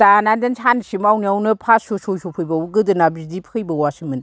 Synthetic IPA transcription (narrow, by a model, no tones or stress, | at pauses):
tanandansʰansimawniawnɯpʰasosojsʰopʰɯjbawuɡɯdɯnabizdipʰkʰɯjbɐwasimɯn